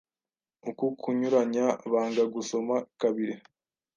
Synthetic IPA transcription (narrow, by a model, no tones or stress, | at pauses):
ukukʰuɲuɾaɲaβaːŋɡaɡuso̞makaβiɾe